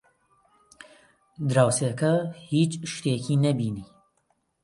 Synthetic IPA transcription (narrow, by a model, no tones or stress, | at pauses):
d̪ɾaːwseːkɐhiːt͡ʃʃt̪eːkʰiːnɐbiːniː